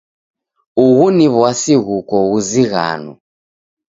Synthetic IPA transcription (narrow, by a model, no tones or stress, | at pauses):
uɣuniβwasiɣukɔɣuziɣa̰nṵ